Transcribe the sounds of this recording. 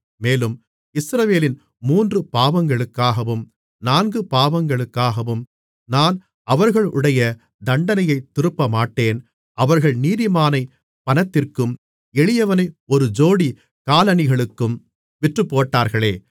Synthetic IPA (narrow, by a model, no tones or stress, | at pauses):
meːlɯm | ɪsɾɐʋeːlɪn | muːndrɯpaːʋɐŋɡɐɭɯkːaːɣɐʋɯm | naːnɡɯpaːʋɐŋɡɐɭɯkːaːɣɐʋɯm | naːn | ʔɐʋɐɾɣɐɭʊ̰ɽɐjɐ | d̪ɐɳɖɐnɐjɐɪt̪ːɪɾɯpːɐmaːʈːeːn | ʔɐʋɐɾɣɐɭniːðɪmaːnɐɪ | pɐnɐt̪ːɪrkɯm | ɛɭɪjɐʋɐnɐɪɔɾɯd͡ʒoːɽi | kaːlɐnɪɣɐɭɯkːɯm | ʋɪʈrɯpːoːʈːaːɾɣɐɭeː